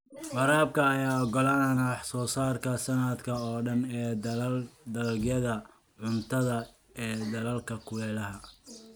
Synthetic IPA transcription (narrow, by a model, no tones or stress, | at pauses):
wɑɾaːb̚kʰɐːjaːɔɡɔlaːnwħsɔːsaːrkʰɐsɐnɐd̪kʰɐɔːɖɐnɛː | d̪ɐlɐlɡjɐðɐ | ʕʊnt̪ʰɐðɐ | ɛːd̪ɐlɐlkʰɐkʰʊlɛːlɐɦɐ